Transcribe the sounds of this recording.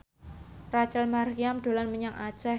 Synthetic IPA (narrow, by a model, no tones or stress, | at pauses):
rat͡ʃalmariamd̥o̤lanməɲaŋʔḁd͡ʒ̥a